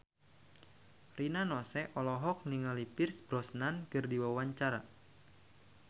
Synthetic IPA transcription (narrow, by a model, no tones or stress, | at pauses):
rʔinanɔsɛʔɔlɔɦɔk̚niŋalipɪrsbɾɔsnankɨrdiwawaɲt͡ʃaɾa̰